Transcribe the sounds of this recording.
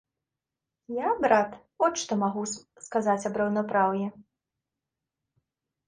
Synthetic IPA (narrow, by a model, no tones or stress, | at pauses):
jabɾat̪ | ɔʂt̪ɔmaɣu | skazat͡sʲɐbɾɐwnapɾawjɛ